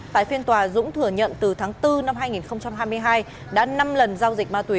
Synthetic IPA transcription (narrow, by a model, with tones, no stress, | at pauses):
t̪a̰ː˧˨jfi˧nt̪waː˨˩zʊ̰˧˥ŋ͡mt̪ʰɨ˧˩əɲə̰˧˨nt̪ɨ˨˩t̪ʰaː˨˦ŋt̪ɨ˧na˧mɦaː˧jŋi˨˩nxə˧wŋ͡mt͡ɕa˧mɦaː˧jmɨ˧əjɦaː˧j | ɗa̰ː˧˥na˧mlə˨˩nzaː˧wzï˨˩k̟̚maː˧t̪wi˨˦